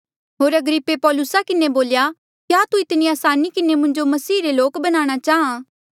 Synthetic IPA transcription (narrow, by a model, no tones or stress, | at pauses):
ɦoːɾɐɡɾɪpːepɔːlʊsakɪneboːlja | kjaːt̪uɪt̪niaːsaːnikɪnemʊ̃ɲd͡ʒomɐsiːɾeloːkbɐnaːɽ̃at͡ʃaːɦãː